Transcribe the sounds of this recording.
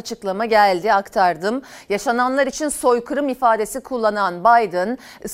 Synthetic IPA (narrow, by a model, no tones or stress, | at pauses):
at͡ʃʰɯklˠamaɟælʲd̪iakt̪ʰaɾd̪ɯmjaʃananlˠaɾit͡ʃʰinso̞jkʰɯɾɯmifaːd̪e̞sikʰulˠːananbajd̪ɯn | ɯs